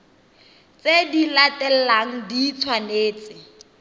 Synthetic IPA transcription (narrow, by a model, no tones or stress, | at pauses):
t͡sedilatɛl̩laŋ̩dit͡sʰwaneːt͡sɪ